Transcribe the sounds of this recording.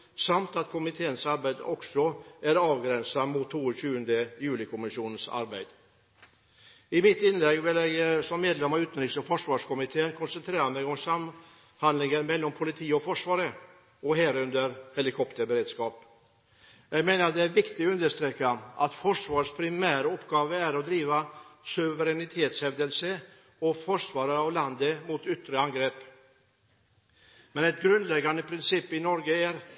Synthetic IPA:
samt̪at̪kʰʊmɪt̪ʰeːənsaɾbæɪd̪əɔksɔæɾɑːvɡɾɛnsamʊt̪ʰːoːəɕʉːənd̪əjʉ̟ːlɪkʰʊmɪʂuːnənsa̰ɾbæɪd̪̥ | ɪmɪt̪ːɪnlɛɡʋɪlɛɡsɔmːeːd̪lɛmːaʋʉːt̪nɾɪŋsɔfɔʂʋɑːʂkʰʊmɪt̪ʰeːənkʰɔnsɛnt̪ʰɾeːɾamɛɪɡɔŋsam | hand̪lɪŋənmɛlːɔmpʰʊlɪt̪ʰiːɔfɔʂʋɑːɾə | ɔɦɛːɾɵnd̪əɾhɛlɪkʰɔpt̪əɾbəɾeːd̪skɑːp | jæɡmeːnəɾt̪d̪ɛæɾʋɪkt̪ɪɔʉnd̪əʂt̪ɾeːkaʔɑt̪fɔʂʋɑːʂpʰɾɪmæːɾəɔpːɡɑːʋəæɾɔd̪ɾiːʋasʉʋəɾɛnɪt̪ʰeːt̪shɛʋd̪əlsə | ɔfɔʂʋɑːɾəɾɑʋlɑnd̪əmuːt̪ʏt̪ɾəɑŋɡɾeːp | mɛnɛt̪̚ɡɾʉnd̪lɛɡanəpʰɾɪnsɪpːɪnɔɾɡəæɾ

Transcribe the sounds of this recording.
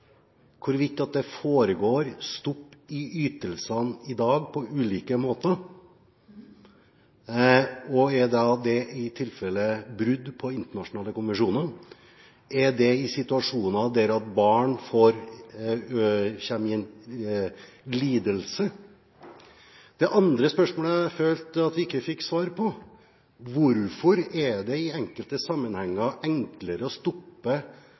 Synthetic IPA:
kʰʊɾʋɪk̚t̪ɪɑt̪̚d̪ɛfoːɾəɡoːɾst̪ɔpːɪyːt̪əlsənɪd̪ɑːɡpʰɔʉːliːkəmoːt̪ə | ɔɛd̪ɛd̪ɛɪt̪ʰɪlfɛlːəbɾʉd̪pʰɔɪnt̪əɳɑʂʊnɑːləkʊnʋɛnʂuːnəɾ | ɛɖ̪ɛɪsɪt̪ʉɑʂuːnɑd̪ɛɾɑt̪bɑːɳfoːɾ | çɛmɪn | liːd̪əlsə | d̪̥ɛʔɑnd̪ɾəspœʂmoːləføːlt̪ɑt̪ʋɪɪkːəfɪkːsʋɑːɾpʰɔ | ʋʊɾfɔɾɛɖ̪ɛɪɛŋkəlt̪əsɑmːənhɛŋːəɛŋkləɾəɔst̪ɔpːə

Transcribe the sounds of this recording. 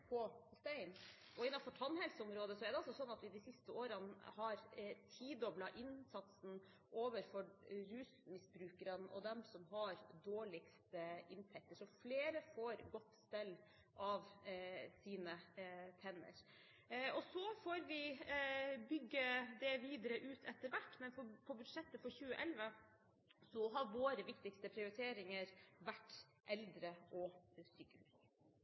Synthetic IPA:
pʰɔst̪æɪn | ʔɔɪnːɑfɔʈʰɑnhɛlsəʊmɾoːd̪əsɔæɖ̪ɛɑlsɔsɔnːɑt̪ʋɪd̪ɪsɪst̪əoːɾənhɑɾt̪ʰiːd̪ɔblɑʔɪnsɑt̪sn̩ | ʔoːʋəɾfɔɾɾʉːsmɪsbɾʉːkəɾənʔɔ̰d̪ɛmsɔmɦɑɾd̪oːɭɪkst̪əɪnt̪ʰɛk̚t̪əʂɔfleːɾəfoːɾɡɔt̪ːst̪ɛlː | ʔɑʋsiːnət̪ʰɛnːə̰ɾ | ɔsɔfoːɾʋɪ | bʏɡːəd̪ɛʋiːd̪əɾəʔʉːt̪ʰɛt̪ːəɾʋæʈːmɛnfɔpʰɔbʉd̪ʂɛt̪ːəfɔɾçʉːəʔɛlʋə | sɔɦɑɾʋoːɾəʋɪkt̪ɪkst̪əpʰɾɪʊɾɪt̪ʰeːɾɪŋəɾʋæʈː | ʔɛld̪ɾəʔɔsykəh

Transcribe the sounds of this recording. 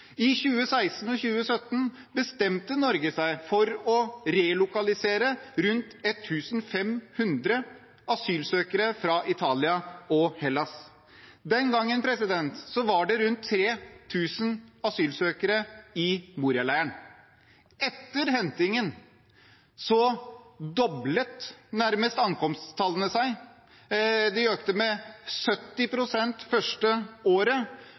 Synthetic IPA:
ɪçʉːəsæɪsn̩ɔçʉːəsœt̪ːn | bəst̪ɛmt̪ənɔɾɡəsæɪfɔɾɔɾelʊkɑlɪseːɾəɾʉnt̪ɛt̪ʰːʉːsn̩fɛmhʉnd̪ɾə | ɑsyːlsøːkəɾəfɾɑʔɪt̪ʰɑːlɪɑɔhɛlɑs | d̪ɛnɡɑŋːənpʰɾɛsɪd̪ɛnt̪sɔʋɑɖɛɾʉnt̪ʰːɾeːt̪ʰʉːsənɑsyːlsøːkəɾəɪmuːɾɪɑlæɪəɳ | ɛt̪ːəɾhɛnt̪ɪŋən | sɔd̪ɔblət̪næɾməst̪ɑŋkɔmst̪st̪ʰɑlːənəsæɪ | d̪ɛøːkt̪əmɛsœt̪ːɪpʰɾʊsɛnt̪fœʂʈəoːɾə

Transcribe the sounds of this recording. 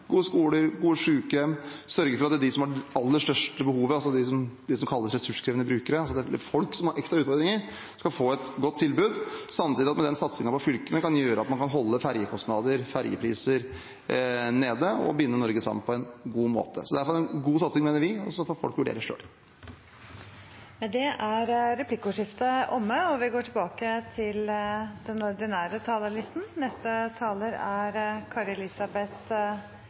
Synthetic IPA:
ɡuːəskuːləɾɡuːəʂʉːkɛmsœɾɡəɾfɔɾɑt̪ɛd̪ɪsɔmhɑɖɑlːəʂʈ̪œʂʈəbəhuːʋəɑsɔd̪ɪsɔmd̪ɪsɔmkʰɑlːəsɾɛsʉʂkʰɾeʋənəbɾʉːkəɾəɑsɑt̪ɛfɔlksɔmhɑɾʔɛkst̪ɾɑʉːt̪fɔɾd̪ɾɪŋəɾ | skɑfoːɛt̪ɡɔt̪ʰːɪlbʉːd̪sɑmt̪iːd̪ɪɑt̪mɛd̪ɛnsɑt̪sɪŋɑpʰɔfʏlkənəkɑnjøːɾəɑt̪mɑnkʰɑnɦɔlːəfæɾjəkʰɔst̪nɑːd̪əɾfæɾjə̰pʰɾiːsəɾ | neːd̪əɔ̰bʏnːənɔɾɡəsɑ̰mənpʰɔɛnɡuːmo̰ːt̪ʰə̰sɔd̪æfɔɾɛnɡuːsɑt̪sɪŋmeːnəɾʋɪɔsɔfɔfɔ̰lkʋʉɖḛːɾəʂø̰ːl | mɛd̪ɛʔæɾɾɛpʰlɪkːʊʂɪft̪əʔɔmːəɔʋɪɡoːʈʰɪlbɑːkət̪ʰɪld̪ɛnɔɖ̪ɪnæːɾət̪ʰɑːləlɪst̪n̩nɛst̪ət̪ʰɑːləɾæɾkʰɑɾɛlɪsɑbɛt̪

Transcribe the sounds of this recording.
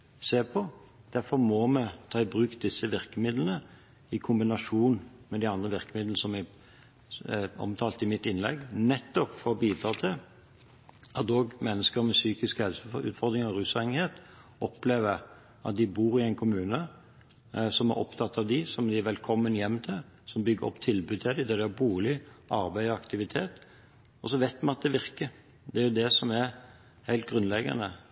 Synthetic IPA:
seːpʰɔ | d̪̥æfɔɾmomɛt̪ʰɑːɪbɾʉːkt̪̚d̪ɪsːəʋɪɾkəmɪd̪lənə | ɪkʰʊmbɪnɑʂuːnmɛd̪ɪɑnd̪ʁəʋɪʁkəmɪd̪l̩əsɔmæ | ɔ̰mt̪ʰɑːlt̪ɪmɪt̪ɪnlɛ̰ɡnɛt̪ːɔpfɔɔbiːd̪ɾɑːt̪ʰɪ | ɑt̪oːɡmɛnːəskəɾmɛsyːkɪskhɛlsʉ̰ːt̪fɔʁd̪ɾɪŋɑɾʉːsɛŋheːt̪ | ʔɔpleːʋə | ʔɑt̪̚d̪ɪbuːɾɪɛɪnkʰʊmʉːnə | sɔmæ̰ɾʔɔ̰pt̪ʰɑt̪ʰːɑʋd̪ɪsɔmd̪ɪʋɛlkʰɔmːənjɛmːt̪ʰɪl | sɔmbʏɡəɾɔ̰pːt̪ʰɪlbʉːd̪̚t̪ʰɪld̪ɪd̪ɛd̪ɪhɑbuːlɪʔɑɾbæɪɑkt̪ɪʋɪt̪ʰeːt̪ | ɔsɔʋæɪt̪mɑnɑt̪̚d̪ɛʋɪʁkə | d̪ɛæɾjʊd̪ɛsɔmæɾ | hæɪlt̪̚ɡʁʉnlɛɡɑ̰nə

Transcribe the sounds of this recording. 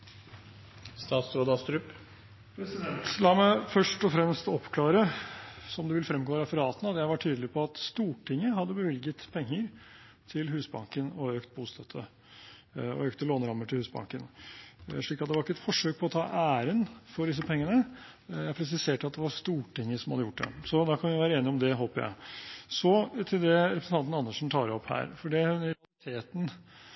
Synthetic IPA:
st̪ɑːt̪sɾoːd̪ɑst̪ɾʉːp | t̪lɑːmæɪfœʂʈɔfɾɛmst̪ɔpːkʰlɑːɾəsɔmd̪ɛʋɪlfɾɛmɡoːɾɑfəɾɑːt̪ənəɑt̪jæɪʋɑʈʰyːd̪əlɪpʰɔɑt̪st̪uːʈɪŋːəɦɑd̪ːəbəʋɪlɡət̪pʰɛŋːəɾ | t̪ʰɪlɦʉːsbɑŋkənɔøːkt̪̚buːst̪ʰœt̪ʰːə | ɔ̰øːk̚t̪əloːnəɾɑmːəʈʰɪlhʉːsbɑ̰ŋkən | ʂɭiːkːɑt̪̚d̪ɛʋɑɾɪkːəɛt̪fɔʂøːk̚pʰɔɔt̪ʰɑ̰ːʔæːɾənfɔɖɪs̬əpʰɛŋːənə | jæɪpʰɾɛs̬ɪseːʈəɑt̪̚d̪ɛʋɑʂt̪uːʈɪŋːəsɔmhɑd̪əjʊʈ̚d̪ɛ̰sɔd̪ɑkʰɑnʋɪʋæːɾəeːnɪɔmd̪ɛɦoːpəɾjæ̰ɪsɔt̪ʰɪld̪ɛɾɛpʰɾsn̩ʰɑnt̪n̩ɑnːəʂn̩t̪ʰɑːɾəɔphæ̰ːɾfɔɖɛhʉnlɪt̪ʰeːt̪n̩

